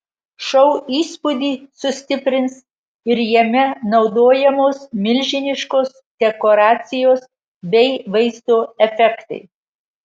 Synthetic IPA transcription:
ʃɐʊiːspʊd̪ʲiːsʊsʲt̪ʲɪpʲɾʲɪns | ɪɾjɛmʲɛnɒʊd̪oːjɛmoːsmʲɪlʲʒʲɪnʲɪʃkoːs | d̪ʲɛkoːɾɑːt̪sʲɪjoːs | bʲɛɪʋɐɪzd̪oːɛfʲɛkt̪ɐ̰ɪ

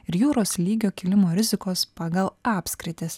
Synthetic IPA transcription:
ɪɾjuːɾoːslʲiːɡʲoːkʲɪlʲɪmoːɾʲɪzʲɪkoːspɑɡɐlˠɑːpʲsʲkɾʲɪt̪ʲɪs

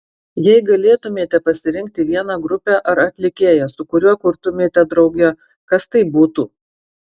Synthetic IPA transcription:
jɛɪɡɐlʲeːt̪ʊmʲeːt̪ʲɛpɐsʲɪɾʲɪŋʲk̚t̪ʲɪʋʲiɛnɐɡɾʊpʲæːʔɐɾɐt̪ʲlʲɪkʲeːjɛsʊkʊɾʲuɔkʊɾt̪ʊmʲeːt̪ʲɛd̪ɾɒʊɡʲɛ | kɐst̪ɐɪbuːt̪ṵː

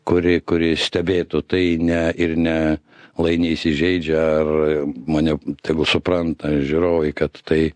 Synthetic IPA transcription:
kʊɾʲɪkʊɾʲɪsʲt̪ʲɛbʲeːt̪ʊt̪ɐɪnʲɛɪɾnʲɛ | lˠɐɪnʲɪisʲɪʒʲɛɪd͡ʒʲɛɐrmɐːnʲɛt̪ʲɛɪɡʊsʊprɐnt̪ɐʒʲuːɾoːʋɛɪkɐt̪ːɐɪ

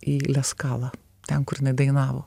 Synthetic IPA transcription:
iːlʲɛskɑːlˠɑ | t̪ʲɛnkʊɾjɪnɐɪd̪ɐɪnɑːʋoː

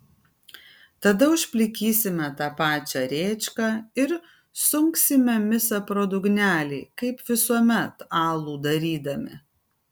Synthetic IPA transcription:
t̪ɐd̪ɐʊʃʲpʲlʲɪkʲiːsʲɪmʲɛt̪ɑːpɑːt͡ʃʲɛːɾʲeːt͡ʃʲkɑːɪɾ | sʊŋksʲɪmʲɛmʲɪsɐpɾoːd̪ʊɡnʲæːlʲɛɪkɐɪpʋʲɪsuɔmʲɛt̪ɑːlˠuːd̪ɐɾʲiːd̪ɐmʲɪ̰

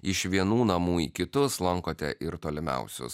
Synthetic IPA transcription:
ɪʃʋʲiɛnuːnɐmuːiːkʲɪt̪ʊslˠɐŋkoːt̪ʲɛ̰ʔɪɾt̪oːlʲɪmʲɛ̰ʊsʲʊ̰s

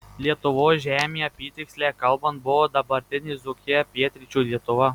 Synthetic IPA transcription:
lʲiɛt̪ʊʋoːsʒʲæːmʲiːɐpʲiːt̪ʲɪksʲlʲæːkɐlˠbɐnt̪̚bʊʋoːd̪ɐbɐɾʲt̪ʲɪnʲɪzʊkʲɪpʲiɛt̪ʲɾʲɪt͡ʃʲuːlʲiɛt̪ʊʋɐ

